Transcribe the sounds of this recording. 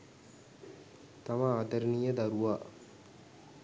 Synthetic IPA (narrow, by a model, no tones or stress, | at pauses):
t̪amaaːt̪əɾnijəd̪aɾuʋaː